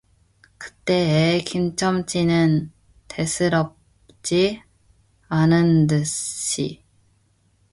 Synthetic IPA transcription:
kɯ̥t͈e̞ekimt͡ɕʰʌmt͡ɕʰinɯn | te̞sʰɯɾʌp̚ | t͡ɕ͈i | anɯndɯɕ͈i

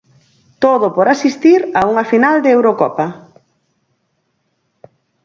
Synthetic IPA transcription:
t̪oðopoɾasist̪iɾauŋɐfinald̪eewɾokɔpɐ

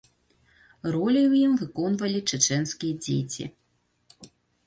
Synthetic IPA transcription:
rɔlʲiwjimvɨkɔnvɐlʲit͡ʂɨt͡ʂɛnskʲijɐd͡zʲḛjt͡sʲḭ

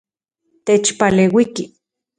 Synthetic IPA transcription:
t̪et͡ʃpaleːwiki

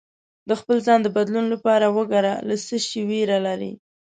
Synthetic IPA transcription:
d̪əxpəlzɑnd̪əbad̪lunlapɑɾawəɡaɾalasəʃiweɾalaɾḭ

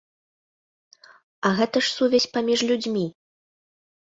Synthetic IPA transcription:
ɐɣɛt̪ɐʂsuvʲɛsʲpamʲiʂlʲud͡zʲmʲi

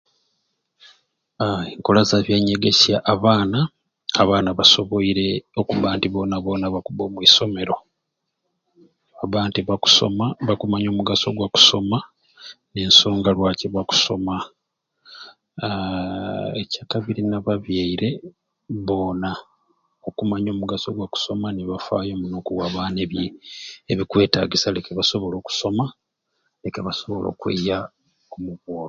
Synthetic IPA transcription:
eŋkolazaβjeɲeɡe̞sjaʔːβaːnaː | βaːnaβaso̞βo̞iɾe̞o̞kuβaːntiβo̞ːnaβo̞ːnaβakuβo̞ːmwiso̞me̞ɾo̞ | aβaːntiβaku̥so̞̰maβakumaɲoːmuɡaso̞̰ɡwaku̥so̞ma | ne̞nso̞ːŋɡalwaːceβaku̥so̞ma | ecaːkaβiɾinaβaβjaiɾe̞ | βo̞na | o̞kumaɲo̞ːmuɡaso̞ɡwaku̥so̞maniβafa̰ːjo̞munoːkuwaβaːneβjeeβikwe̞ːta̰ɡisalekeβaso̞βo̞lo̞ːku̥soma | le̞keβaso̞βo̞lo̞̰ːkwḛja | kumuβoːɾ

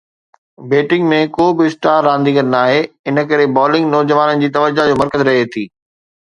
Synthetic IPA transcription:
beːʈɪ̃ŋɡmẽkoːbɪsʈaːɾːãːnd̪ikɐnnaːɦeɪnə̆kɐɾebɔːlɪ̃ŋɡnɔːd͡ʑɐʋaːnənɪ̆d͡ʑiːt̪ɐʋəd͡ʑad͡ʑoːmɐɾkəzɾɐɦet̪ʰiː

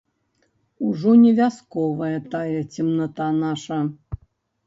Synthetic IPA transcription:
uʐɔnʲɛvʲaskɔvɐjɐt̪ajɛt͡sʲimnat̪anaʂɐ

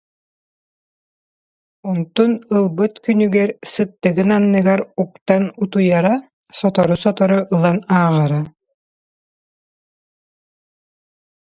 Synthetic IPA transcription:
ɔnt̪unɯlˠbɯt̪kynyɡɛɾsɯt̪ːɯɡɯnanːɯɡaɾuk̚t̪anut̪ujaɾa | sɔt̪ɔɾusɔt̪ɔɾɔʔɯlˠanaːʁaɾa

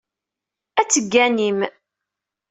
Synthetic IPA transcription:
æt͡sːəɡːænim

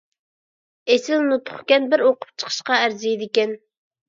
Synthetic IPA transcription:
esɪlnut̪ʰʊ̥χkʲɛnbɪɾoqʊ̥p̚t͡ʃʰə̥qʰə̥ʃqɑæɾzijid̪ɪkʲɛn

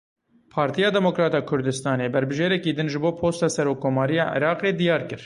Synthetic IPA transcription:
pʰɑːɾt̪ʰijɑːd̪ɛmokɾɑːt̪ɑːkʰʊɾd̪ɨst̪ɑːneːbɛɾbɨʒeːɾɛkiːd̪ɨnʒɨboːpʰoːst̪ɑːsɛɾoːkkʰːoːmɑːɾijɑ̰ːʔḭɾɑːqeːd̪ijɑːɾkɨɾ

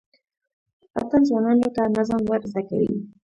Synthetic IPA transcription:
a̰t̪anzwanɑnot̪anazamwaɾzaka̰wḭ

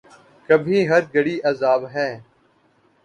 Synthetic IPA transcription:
kɐbʱĩɦɐɾɡɐɽiːʔɐzaːbɦɛ̃ː

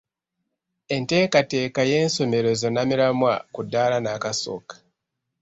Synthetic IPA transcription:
e̞nte̞ːkate̞ːkaje̞ːnso̞me̞ɾe̞zo̞namiɾamwakudːalanakaso̰kḁ

